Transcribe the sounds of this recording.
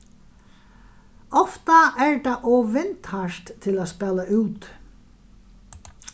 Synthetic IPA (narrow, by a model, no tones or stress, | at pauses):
ɔft̪aʔɛɹd̪ɑʔɔːʋɪnt̪haʃt̪t̪ʰːɪlaːspɛːlaʉːt̪